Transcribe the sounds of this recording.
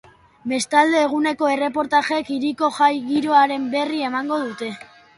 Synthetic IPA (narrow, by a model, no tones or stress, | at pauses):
be̞st̪ald̪e̞ːɣ̞une̞ko̞e̞re̞po̞ɾt̪aʝe̞kiɾiko̞ʝajɣiɾo̞aɾe̞mbe̞rie̞maŋɡo̞ðut̪e̞